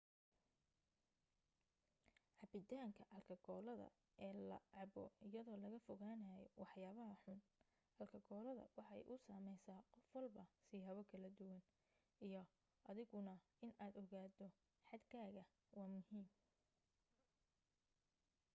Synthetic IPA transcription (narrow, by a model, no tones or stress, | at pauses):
ʕɑbɪd̪ʰaːŋkʰɐʔɐlkʰɐɡɔːlɐðɐ̰ | ʔɛːlɐ̰ʕɑbɔ̰ɪjɐðɔːlɐɣɐfɔɣaːnajɛwɑħjaːβɐɦɐħʊn | ʔɐlkʰɐɡɔːlɐðɐ̰wɑħɑɛ̰jʔʊsaːmɛjsaːqɔfwɐlbɐsihɐːβɔkʰɐlɐd̪ʊwɐn | ijɔ | ʔɐðɪɣʊnɐ | ɪnaːd̪ɔɣaːd̪ɔ | ħɑd̪kʰaːɣɐ | wɑːmʊhiːm